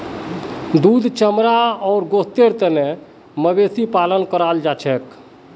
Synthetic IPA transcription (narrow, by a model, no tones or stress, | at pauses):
d̪ud̪ʱt͡ʃəmɾaɔːɾɡost̪eɾt̪əne | məbesipalənkəɾald͡ʒat͡ʃʰɛk